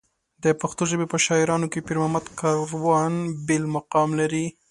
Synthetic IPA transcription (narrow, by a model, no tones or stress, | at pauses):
d̪əpaxt̪oʒəbepəʃɑɪɾɑnokepiɾmamad̪kɑɾwɑnbelmaqɑmlaɾi